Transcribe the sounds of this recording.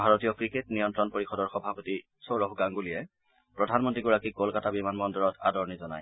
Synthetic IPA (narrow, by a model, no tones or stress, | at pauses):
bʱaɹotijɔkɹiketnijɔntɹɔnpoɹixɔdɔɹxɔbʱapoti | sowɹɔɦɡaŋɡulijɛ | pɹɔdʱanmɔntɹiɡuɹakikolkatabimanmɔndɔɹɔtʰa̰dɔɹnizɔna̰j